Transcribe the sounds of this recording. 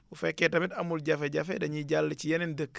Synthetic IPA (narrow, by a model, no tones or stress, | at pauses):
ufɛkːɛtɐmitɐmulɟafɛɟɐfɛdɐɲiɟalːət͡ʃijɛnɛndəkː